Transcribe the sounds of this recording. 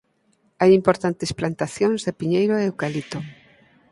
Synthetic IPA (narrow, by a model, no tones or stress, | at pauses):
ajimpoɾt̪ant̪esplant̪aθjoŋzðepiɲejɾoewkalit̪o